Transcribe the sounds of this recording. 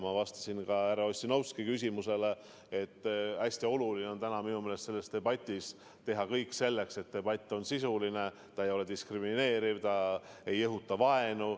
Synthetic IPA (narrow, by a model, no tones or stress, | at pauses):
mɑvɑst̪ɑ̥sinkɑæɾɑosʲːinɑwskikys̬ʲimuse̞le | et̪ːæsʲt̪io̞lulineo̞nt̪ænɑminumelest̪se̞lːe̞st̪e̞bɑt̪ʲːˑis | t̪e̞ɦɑkɤjkːˑse̞lːe̞kse̞t̪ːe̞b̥ɑt̪ʲːˑo̞nsisuline̞ | t̪ɑe̞jo̞le̞d̪iskrimine̞ːɾivt̪ɑe̞jːɤɦut̪ːˑɑvɑe̞nu